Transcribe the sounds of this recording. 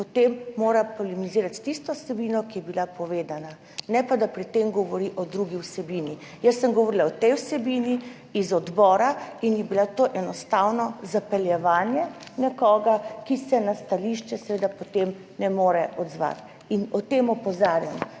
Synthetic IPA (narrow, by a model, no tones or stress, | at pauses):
pɔt̪emːoːɾapɔlimiziːɾat̪t̪ist̪ɔwsɛbiːnɔkijɛbilapɔʋeːd̪ana | nɛpad̪apɾit̪ːemɡɔʋɔɾiʔɔd̪ɾuɡiwsɛbiːni | jəsːəmɡɔʋɔɾilaɔt̪ɛjwsɛbini | izɔd̪bɔːɾainjɛbilat̪oːʔɛnɔst̪awnɔzapɛljɛʋaːnjɛnɛkɔːɡakisɛnast̪aliʃt͡ʃɛsɛʋeːd̪apɔt̪em | nɛmoːɾɛʔɔd̪zʋa̰t̪ | inɔt̪emɔpɔzaːɾjan